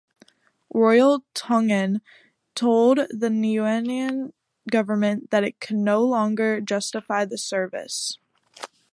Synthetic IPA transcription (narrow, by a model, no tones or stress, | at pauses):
ɹɔɪl̩ˠtʰʌ̃ŋɨ̃n | tʰoʊlˠd̪̚ðɨnʉɛniɨ̃n | ɡʌvə˞mɨ̃nðɨɾɨt̚kʰɨdⁿnoʊlɔ̃ŋɡə˞d͡ʒʌstɨfaɪðɨsɜ˞vɨ̰s